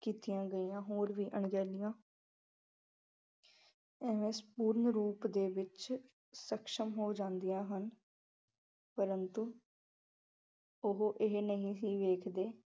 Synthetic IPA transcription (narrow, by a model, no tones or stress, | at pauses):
kiːt̪ijãːɡəiːjãːɦoːɾʋiːʔəɳɡɛːlɪjãː | ɛːʋẽːspuːɾnɾuːpd̪eːʋɪt͡ʃ | səkʃəmɦoːd͡ʒãːnd̪ijãːɦən | pəɾənt̪uː | ʊɦoʔɪɦnəɦĩːsiːʋeːkʰd̪eː